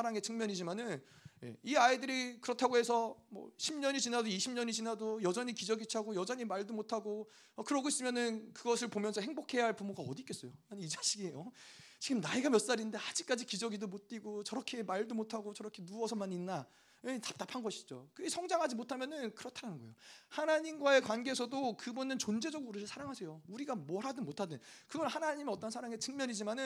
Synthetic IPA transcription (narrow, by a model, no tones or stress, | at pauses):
aɾaŋe̞t͡ɕʰɯŋmjʌɲid͡ʑimanɯnje̞̰iaidɯɾikɯɾʌtʰaɡoɦe̞sʰʌmwʌ̰ɕʰimɲʌɲit͡ɕinadoiɕʰimɲʌɲit͡ɕinɦadojʌd͡ʑʌɲikid͡ʑʌɡit͡ɕʰaɡojʌd͡ʑʌɲimaɭdomotʰaɡo | ʌkɯɾʌɡʰois͈ɯmjʌnɯnkɯɡʌs̬ʰɯɭpomjʌnsʰʌhe̞ŋbokʰe̞jaɦaɭpumoɡaʌdik͈e̞s͈ʌjoanɯid͡ʑaɕʰiɡiʌt͡ɕiɡɯmnaiɡamjʌts͈aɾinnde̞ad͡ʑik͈ad͡ʑikid͡ʑʌɡidomot̚t͈iɡot͡ɕʌɾʌkʰe̞maɭdomotʰaɡot͡ɕʌɾʌkʰe̞nuʌsʰʌmaninːa | etap̚t͈apʰanɡʌɕʰi̥d͡ʑo̰kɯɡesʰʌŋd͡ʑaŋɦad͡ʑimotʰamjʌnɯnkɯɾʌtʰaɾanɯnɡʌejohanaɲimɡwae̞kwanɡeːsʰʌdokɯbunɯnt͡ɕond͡ʑe̞d͡ʑʌɡuɾiɾɯɭsʰaɾaŋɦasʰe̞jouɾiɡamwʌɾɦadomotʰadɯn | kɯɡʌhanaɲimʌt͈ʌnsʰaɾaŋet͡ɕɯŋmjʌɲid͡ʑimanɯ